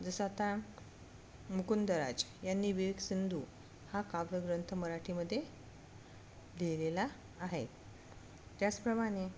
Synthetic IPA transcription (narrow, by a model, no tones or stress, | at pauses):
d͡zəsat̪a | mukund̪əɾa̰d͡ʑjanːiːʋiʋiɡsind̪ʱuː | hakaʋɾəɡɾənt̪ʰəməɾaʈʰiməd̪ʱːje | lelelaː | ɦe | t̪jat͡spɾəmaɽ̃e